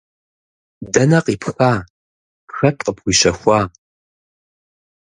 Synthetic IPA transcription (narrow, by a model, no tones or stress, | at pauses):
dɐnɐqiːpʰxaː | pxɐtʼqəpxʷiːɕɐxʷɑː